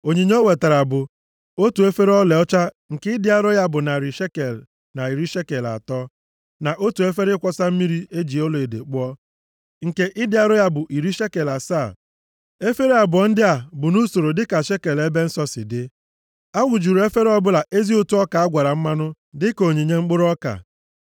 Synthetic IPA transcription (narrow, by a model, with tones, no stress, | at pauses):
o˨ɲe˨ɲ˦o˦we˨ta˨ɾa˨bʊ˨ | o˦tu˨e˦fe˦ɾɔ˦le˨ɔ˦t͡ʃa˦ | ŋ̩˨kɪ˦ɪ˦dɪ˦a˦ɾʊ˦ja˦bʊ˨na˨ɾi˨ʃe˦ke˨l | na˨i˨ɾi˦ʃe˦ke˨la̰˨tɔ˦ | na˨ʔo˦tu˨e˦fe˦ɾɪ˦kʷɔ˦sa˦m̩˦mi˦ɾi˦e˦d͡ʒi˨o˦lo˨e˨dḛ˨k͡pʊ˦ɔ˦ | ŋ̩˨ke˦ʔɪ˦dɪ˦a˦ɾʊ˦ja˦bʊ˨ʔi˨ɾi˦ʃe˦ke˨la˨sa˦˨ | e˦fe˦ɾe˦a˨bʊ˨ɔ˨n̩˦dɪ˦a˨bʊ˨nu˦so˨ɾo˨dɪ˦ka˨ʃe˦ke˨le˦be˦n̩˦sɔ˦sɪ̰˨dɪ˦ | a˦wʊ˨d͡ʒu˨ɾo˨e˦fe˦ɾɔ˦bʊ˦la˨ʔe˦zi˦o˦tu˦ɔ˦ka˨a˦ɡʷa˨ɾa˨m̩˦ma˦nʊ˦ | dɪ˦ko˨ɲe˨ɲe˦ŋ͡m̩˦k͡pʊ˦ɾʊ˦ɔ˦ka̰˨